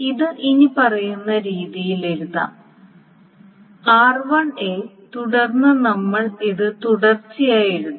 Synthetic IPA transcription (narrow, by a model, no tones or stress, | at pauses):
iðɨʔiɲipɐrɐjunːɐɾiːðijileɾuðɐ̰ːm | aːrʋɐɳet̪uɽɐrnːɐnɐmːɐɭiðɨt̪uɽɐrt͡ɕːijaːjiɾunː